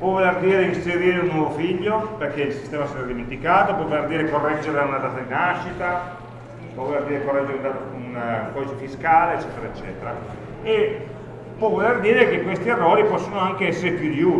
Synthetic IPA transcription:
pwɔvolerd̪iːɾeinseɾiːɾeunːwɔvofiʎːoperkeilsi̥st̪ɛːmasɛɾad̪iment̪ikaːt̪opwɔvolerd̪iːɾekorːɛd͡ʒːeɾlaunad̪aːt̪ad̪inaʃːit̪a | pwɔvolerd̪iːɾekorːɛd͡ʒːeɾeund̪at̪unkɔːd̪it͡ʃefiskaːleːt͡ʃːɛːt̪eɾaet͡ʃːɛ̰ːt̪eɾa | e | pwɔvolerd̪iːɾek̟ekwest̪ierːoːɾipɔsːonoaŋkeɛsːeɾepjud̪iu

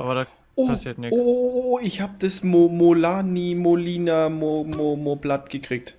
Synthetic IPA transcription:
ʔaba | ʔoːsnoooɪçhaːbəd̥asmomolaːnimoliːnamomomoblatɡ̥əkʁ̥iːk̚t

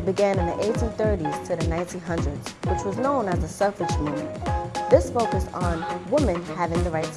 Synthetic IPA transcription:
bɨɡæ̃nɨ̃nðiʔeɪtɨ̃nθɜ˞ɾiz̥tʰɨðɨnãɪ̃ntĩnɦʌ̃ndɹɨdz̥wət͡ʃwʌznõʊ̃nɨzəsʌlfɨd͡ʒmṵ̃ | ðɪsfoʊkɨstn̩wɪ̃mɨ̃nhævɪ̃ŋðɨɹaɪts

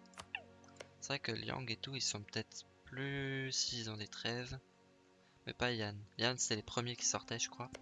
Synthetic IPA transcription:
sevʁɛkəljɑ̰̃ɡet̪uilsɔ̃pə̥t̪ɛt̪χ | plysid̪ɑ̃d̪et̪χɛv | mɛ̰pajanjanse̥t̪ɛlepχəmjekʲi̥sɔʁt̪ɛʒəkχwa

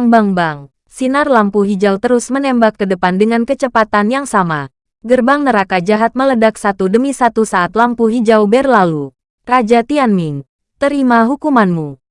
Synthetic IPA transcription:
ŋbaŋbaŋ | sinarlampuɦid͡ʒawt̪əɾusmənɛmbakːədəpandəŋankət͡ʃəpat̪anjaŋsama | ɡərbaŋnəɾakad͡ʒaɦat̪̚mələdak̚sat̪udəmisat̪usaːt̪lampuɦid͡ʒawbɛrlalu | rad͡ʒat̪ianmiŋ | t̪əɾimaɦukumanmu

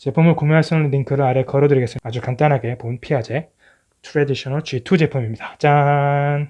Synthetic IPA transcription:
t͡ɕe̞pʰumɯɭkomjuɦaɭs͈ɯɯnɯninkʰɯɾɯɾaɾe̞kʌɾʌdɯɾiɡe̞s͈ɯad͡ʑukant͈anɦaɡe̞ponpʰiɦad͡ʑe̞ | tʰuɾediɕʰʌnʌɭt͡ɕɥitʰud͡ʑe̞pʰumimɲid̥at͡ɕ͈an

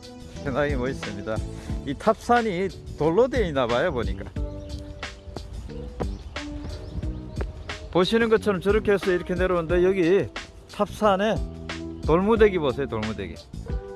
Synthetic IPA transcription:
kenaɡimʌis͈ɯmɲidaitʰap̚s͈ʰaɲitoɭːodeinabajoboɲik͈a | poɕʰinɯnɡʌt͡ɕʰʌɾʌmt͡ɕɯɾɯkʰeesʰʌiɾʌkʰe̞ne̞ɾonɯnde̞jʌɡi | tʰap̚s͈ʰane̞toɭmude̞ɡibosʰejotoɭmude̞̰ɡḭ | ia

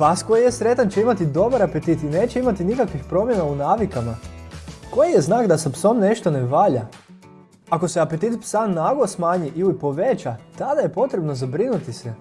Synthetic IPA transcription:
pasko̞jijesɾe̞t̪ant͡ɕe̞imat̪id̪o̞baɾape̞t̪it̪ine̞ːt͡ɕeimat̪inikakʋixpɾo̞mje̞naunaːʋikama | ko̞jijeznaːɡd̪asapso̞mne̞ʃt̪o̞ne̞ʋaʎa | ako̞se̞apet̪it̪psanːaɡosmaːɲiʔilipo̞ʋe̞t͡ʃat̪ad̪aje̞po̞t̪ɾebno̞zabɾinut̪ise

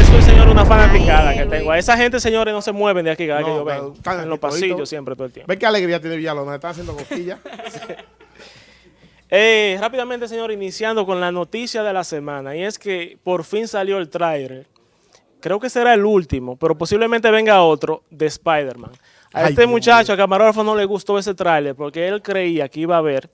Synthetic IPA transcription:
esoelseɲo̞ɾunafanapikaðakeŋt̪eŋɡoaesahɦe̞nt̪e̞se̞ɲo̞ɾeno̞se̞mwe̞βend̪jakikaðakkeʝoβeŋot̪aenlospasiʝosje̞mpɾet̪oelt̪jembeŋkealeɣɾiat̪jeneβiʝalonoet̪aŋas̬jend̪okot̪iʝa | erapiðamẽnt̪eseɲo̞ɾinisjand̪o̞ko̞nlano̞t̪isjaðe̞lase̞mãnaie̞ske̞po̞ɾfinsaljo̞e̞lt̪ɾajðeɾ | kɾe̞oke̞se̞ɾaelult̪imo̞pe̞ɾo̞po̞siβle̞mẽnt̪e̞βe̞ŋɡao̞t̪ɾo̞ðe̞spajðeɾmã̰ŋ | a̰et̪emũt͡ʃat͡ʃoakamaɾolfono̞le̞ɣust̪o̞e̞se̞t̪ɾajle̞ɾpo̞ɾke̞elkɾe̞iakeiβaːβe̞ɾ

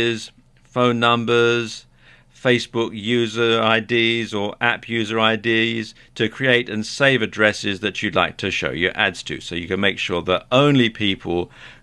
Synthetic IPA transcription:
z̥ | fõʊ̃nːʌ̃mbə˞z̥ | feɪsb̥ʊkjʉzə˞aɪdizə˞ʔæpʰjʉzə˞aɪdiz̥ | tʰɨkʰɹ̥ieɪɾɨ̃nseɪvɨdɹɛsɪzðɨt͡ʃɨdˡlaɪk̚tʰɨʃo̰ʊjə˞ʔæ̰dz̥tʰɨ̰soʊjɨkɨ̃nmeɪkʃʊɹðəɾõʊ̃nlipʰipʰəl̩ˠ

